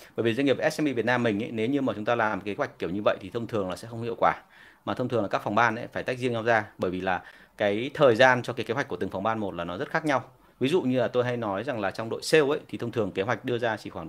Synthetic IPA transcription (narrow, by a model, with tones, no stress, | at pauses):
ɓəː˧˩jvi˨˩zŋi˨˩ə˩ʔɛ˦˥sʔɛ˧mi˧vi˨˩ət̚naː˧mːï˨˩ŋ̟ʔə̰˧˦ne˨˦wɲɨ˧maː˨˩t͡ɕʊ˨˦ŋ͡mt̪aː˧laː˨˩mke˨˦ɦwa˨˩jk̟̚kːi˧˩əwɲɨ˧və̰˧˨jt̪ʰi˨˩ə˧wŋ͡mt̪ʰɨ˨˩əŋlaː˨˩sɛ̰˧˥xə˧wŋ͡mhḭ˧˨əwkwaː˧˩ | maː˨˩t̪ʰə˧wŋ͡m̪ʰɨ˨˩əlaː˨˩kːa˦˥kfa˨˩wŋ͡mɓaː˧nʔə̰˧˦jfaː˧˩jt̪a˦˥jk̚zi˧əŋɲa˧wzaː˧ɓəː˧˩jvi˨˩laː˨˩ | kaː˨˦jt̪ʰəː˨˩jzaː˧nt͡ɕɔ˧kaː˨˦ke˨˦wa˨˩k̟ku˧˩t̪ɨ˨˩ŋfa˨˩wŋ͡mɓaː˧nmo˨˩t̚laː˨˩nɔ˨˦zə˦˥t̚xaː˦˥k̚ɲa˧w | vi˨˦zṵ˧˨ɲɨ˧laː˨˩t̪o˧jɦa˧jnɔ˨˦jza˨˩ŋlaː˨˩t͡ɕɔ˧wŋ͡mɗo̰˧˨jse˧wʔə̰˧˥jt̪ʰi˨˩ə˧wŋ͡mt̪ɨ˨˩əŋke˨˦ɦwa˨˩k̟̚ɗɨ˧əzaː˧t͡ɕḭ˧˩xwaː˧˩ŋ